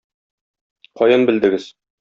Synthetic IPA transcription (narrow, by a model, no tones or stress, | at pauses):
qɒjɤnbɘ̆ld̪ɘ̆ɡɘz̥